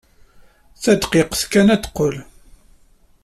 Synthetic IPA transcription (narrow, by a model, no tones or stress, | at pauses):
θæd̪qɪqθkænæt̪qːol